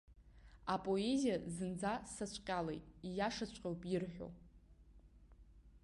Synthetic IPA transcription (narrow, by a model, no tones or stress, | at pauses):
apʼo̞ezijazɨnd͡zasat͡ɕʷʰʼqʲʼalḛjtʼijaʂat͡ɕʷʼqʲʼawpʼɪrħᶣo̞̰